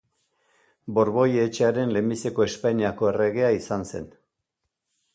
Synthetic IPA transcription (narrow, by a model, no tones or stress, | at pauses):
bo̞ɾβo̞jet͡ʃeaɾe̞nle̞mbise̞ko̞e̞spajɲiako̞e̞re̞ɣ̞e̞aisanse̞̰n